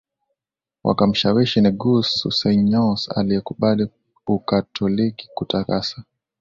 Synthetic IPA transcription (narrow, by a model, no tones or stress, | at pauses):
wʔa̰kam̩ʃawiʃiniɡusṵsanɲɔsa̰liɛkuɓali | ukatʰɔliki̥kutakasa